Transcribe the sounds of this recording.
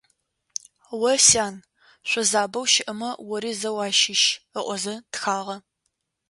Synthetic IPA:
wɐsaːn | ɕʷɔzaːbɐwʃɪʔɐmɐwɔɾiːzɐwɑːʃɪʃəʔʷɔzɐtxaːʁɐ

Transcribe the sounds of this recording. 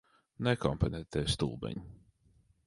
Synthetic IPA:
nɛkɔmpɛnɛt̪ːɛst̪uːlˠbɛ̰ɲʲ

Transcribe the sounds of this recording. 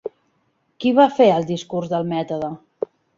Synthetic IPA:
kiβafeəlˠd̪iskurzðəlˠmɛt̪uðə

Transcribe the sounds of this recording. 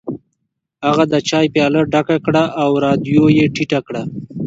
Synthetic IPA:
aɣad̪ət͡ʃɑːjpjɑːləɖakakɽaʔawɾɑːd̪jojeʈiʈakɽa

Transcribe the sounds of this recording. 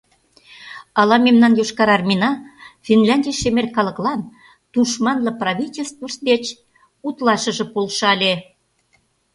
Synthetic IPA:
ɑlɑmemnɑnjoʃkɑɾɑrmʲinɑfʲinlʲɑnʲdʲijʃemerʲkɑlə̆klɑn | t̪uʃmɑnlɤ̆prɑβʲitʲelʲst̪vəʃt̪d̪et͡ɕ | ut̪lɑʃə̆ʒɤ̆polʃɑlʲe

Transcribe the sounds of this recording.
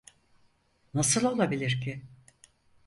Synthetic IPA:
nasɯlˠo̞lˠabilʲiɾcʰɪ

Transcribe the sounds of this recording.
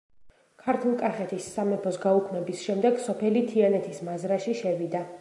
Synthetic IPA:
kʰaɾt̪ʰulˠkʼaχɛt̪ʰisːamɛpʰɔsɡaukʰmɛbisʃɛmd̪ɛɡsɔpʰɛlit̪ʰianɛt̪ʰismazɾaʃiʃɛvid̪a

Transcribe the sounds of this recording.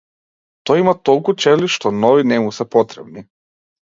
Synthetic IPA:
t̪oimat̪olˠkut͡ʃeliʃt̪onoʋinɛmusɛpot̪ɾebni

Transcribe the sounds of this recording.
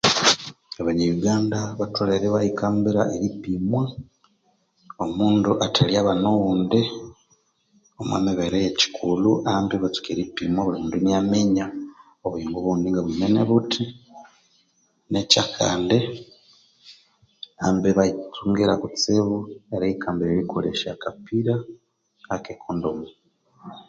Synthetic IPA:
aβaɲajuɡaːndaβatwoleɾeβajikaːmbiɾa̰ʔeɾipimwa | omuːnduʔatʰaliaːβanoɣuːnde | omwḛmiβeɾejeci̥kʰuluambiβat͡su̥keɾipimwaβuluːnduniameɲa | oβuiŋɡuβundiŋɡaβumeneβutʰi | necakʰaːnde | ambeβait͡suŋɡeɾakut͡seβueɾeikʰaːmbeβiɾikʰolḛʃa̰kapiɾaː | kekʰondomo

